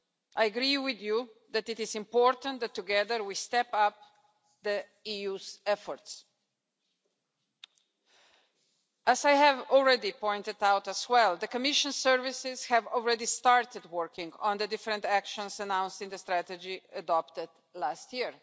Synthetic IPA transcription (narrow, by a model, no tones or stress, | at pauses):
ʔajəɡɾiwɪðjuðætɨtɪzɪ̃mpɔɹtə̃nt̪̚ðɨtʰːuɡɛðə˞wistɛpʌp̚ | ðə | ijuzɛfɔɹts | ʔæzajɦɨvɔlˠɹɛdipɔ̃ɪ̃ntɨdawtəzwɛlˠðəkəmɪʃə̃nsɜɹvɪsɪz̥hævɔl̩ˠɹɛdistɑɹtɨd̚wɜɹkɪ̃ŋɡə̃nðədɪfɾə̃ntækʃə̃nsənãw̃nsɪ̃ŋðəstɾætəd͡ʒiədɔptɪd | læstjiɹ